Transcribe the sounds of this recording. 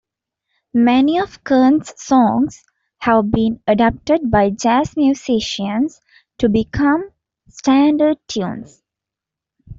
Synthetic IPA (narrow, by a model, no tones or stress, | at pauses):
mɛniɔʋkʰəːnsːɔ̃ŋs | hæʋbĩːnəɖap̚ʈəɖ̚baɪd͡ʒæsmjusiʃə̃ns | ʈubikʰʌ̃m | sʈæ̃ɳɖəɖ̚tʰjũːns